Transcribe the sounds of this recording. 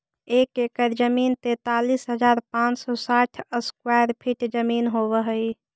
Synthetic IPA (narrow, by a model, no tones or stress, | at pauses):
ekekəɾd͡ʒəmint̪et̪alisɦəd͡ʒaːɾpãt͡ʃsɔsaʈʰəskwajɾpʰiʈd͡ʒəminɦobəɦəi